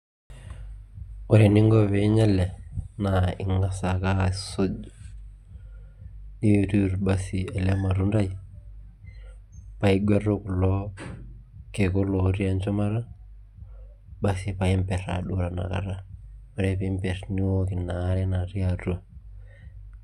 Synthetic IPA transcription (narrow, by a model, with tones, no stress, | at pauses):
ɔ˨ɾe˨ni˦ŋɡo˦βe˨˦ɲa˦le˨na˨ḭ˨ŋɡa˦sa˨ka˦so˦d͡ʒ | ni˦˨tu˦ɾba˦si˨e˨le˦ma˨ɾu˦nda˦j | pa˦i˦ɡʷe˦ɾo˦ku˨lɔ˦ | ke˨ko˦lo˨ɾi˦a˦nt͡ʃo˦ma˦ɾa˦ | ba˦si˨pa˨i˦mpɛ˨ɾa̰˨ɗu˦ɾa˨na̰˨ka̰˨ɾa˦ɔ˨ɾepi˦mpɛ˨ɾni˦wo˦ki˨naː˨˦ɾɛ˦na˨ɾi˦a˨ɾo˦